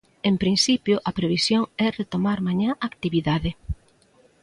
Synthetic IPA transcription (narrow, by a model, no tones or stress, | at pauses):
empɾinsipjʊʔɐpɾeβ̞isjoŋɛret̪omaɾmaɲãʔak̚t̪iβiðaðɪ